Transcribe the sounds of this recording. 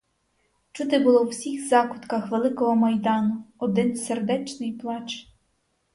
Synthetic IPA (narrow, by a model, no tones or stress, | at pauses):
t͡ʃut̪ɪbʊlˠɔwsʲixzɑkʊt̪kɐxʋelˠɪkɔɦɔmɐjd̪ɑnʊɔd̪ɪnserd̪ɛt͡ʃnɪjplˠɑt͡ʃ